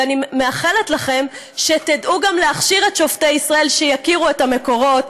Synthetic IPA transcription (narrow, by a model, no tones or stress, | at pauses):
animeaχeletlaχe̞m | ʃetidʔuɡamleaχʃiʁetʃo̞ftejisʁae̞lʃejakiʁuetame̞ko̞ʁo̞t